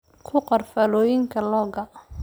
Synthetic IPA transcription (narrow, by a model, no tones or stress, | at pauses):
kʰʊqɐrfalɔːjɪŋkʰɐlɔːɡɐ